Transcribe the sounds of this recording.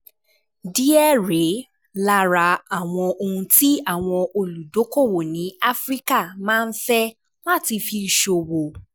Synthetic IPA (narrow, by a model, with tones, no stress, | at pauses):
di˦ɛ˦˨ɾe˨˦ | la˦ɾa˧a˨w̃ɔ̃˧o˧hũ˧ti˦a˦˨w̃ɔ̃˧o˧lu˨do˨˦ko˦˨wo˨nĩ˨˦a˦fɾi˦ka˦˨mãː˦˧n̩˦fɛ˦ | la˦˨ti˧fi˧˨ʃo˨wo˨